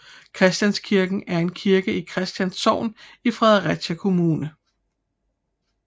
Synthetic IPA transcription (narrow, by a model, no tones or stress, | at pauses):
kʰʁɛsd̥jænskʰiɐɡ̥n̩æɐe̝nkʰiɐɡ̥əikʰʁɛsd̥jænsɒʊ̰nifʁɛðˠɐʁæ̥ɕækʰo̝muːnə